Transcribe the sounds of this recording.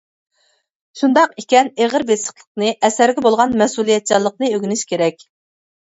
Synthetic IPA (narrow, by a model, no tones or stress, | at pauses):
ʃund̪ɑqikʲɛneʁəɾbesə̥χlˠə̥qnɨʔɛsæɾɡʲɛbolˠʁɑnmɛsulˠijɛt̪̚t͡ʃɑlˠːəq̚nɨøɡʲynyʃkʲʰeɾɛkʲ